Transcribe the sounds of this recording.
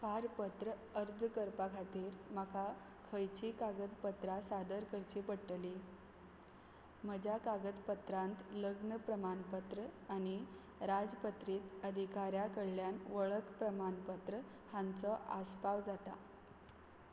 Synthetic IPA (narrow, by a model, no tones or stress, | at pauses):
paɾpət̪ɾə | əɾd͡zkəɾpakʰat̪iːɾməkʰa | kʰəjt͡ɕiːkaɡət̪pət̪ɾasad̪əɾkəɾt͡ɕiːpəɽʈəli | m̤əd͡ʑakaɡəd̪pət̪ɾãnt̪ləɡɳəpɾəmanpət̪ɾəani | ɾad͡zpət̪ɾiːt̪əd̪ʱikaɾjakəɽljanʋəɭəkpɾəmanpət̪ɾə | hãnt͡sɔʔa̰spaʋd͡zat̪a̰